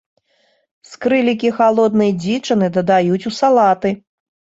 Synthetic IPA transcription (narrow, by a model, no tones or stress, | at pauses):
skɾɨlʲik̬ʲixalˠɔd̪nɨjɐd͡zʲit͡ʂɐnɨd̪ɐd̪ajut͡sʲusalˠat̪ɨ